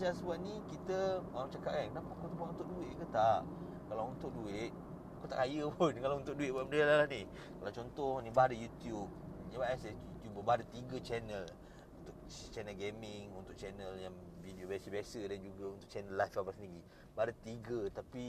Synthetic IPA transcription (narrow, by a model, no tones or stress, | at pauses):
sasəbuaʔ̪̚nikit̪əaamt͡ʃakaʔ̚kankənapaakut̪upaʔunt̪ʊkduɪt̪̚kət̪aʔ | kalaunt̪ʊk̚duɪt̪̚ | akut̪aʔkajəpʊnkalaunt̪ʊk̚duɪt̪̚baʔməndialalahni | kalawt͡ʃɔnt̪ɔhnibadəjut̪jub̚ɲəbaʔasɛjut̪jubəbadət̪iɡət͡ʃɛnəl | unt̪ʊkt͡ʃɛnəlɡemɪŋunt̪ʊk̚t͡ʃɛnəljaŋvideobjasəbiasədand͡ʒuɡaunt̪ʊʔt͡ʃɛnəlajfabasəniɡi | badət̪iɡət̪api